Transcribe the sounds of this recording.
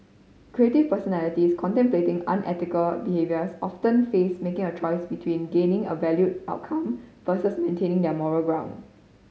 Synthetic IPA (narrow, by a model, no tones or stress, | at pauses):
kɹietiv̥pəsɔnɛlitiskʰɔ̃ntɛ̃mpletɪ̃ŋã̰nʔɛ̰t̪ɪkəlbiheviəsɔftə̃nfesmekɪ̃ŋət͡ʃʰɔɪsbitʰwĩnɡẽnɪ̃ŋə̰vɛljud̚ʔaʊt̚kʰãmvəsəsmẽntʰẽnɪ̃ŋdɛəmɔɹəɡɹãʊ̃nd